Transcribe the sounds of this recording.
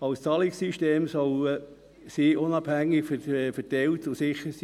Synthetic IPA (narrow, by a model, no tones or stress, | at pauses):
ɑʊst͡sɑlɪksiʃteːmsɔl | siːʔʊnɑb̥hæŋːɪkffətɛltʊsɪχəɾsi